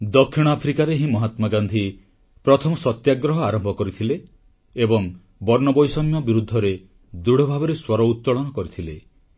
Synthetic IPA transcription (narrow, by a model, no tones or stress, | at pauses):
d̪ɔkʰːiɽ̃ɔapʰɾikaɾeɦĩmɔɦat̪maɡand̪ʱi | pɾɔt̪ʰɔmɔsɔt̪jaɡɾɔɦɔaɾɔmbʱɔkɔɾit̪ʰileː | bɔŋ | bɔɾnɔbɔjsɔmjɔbiɾud̪ʱːɔɾe | d̪uɽ̤ɔbʱabɔɾeswɔɾɔut̪ːt͡ʃɔɭɔnɔkɔɾit̪ʰile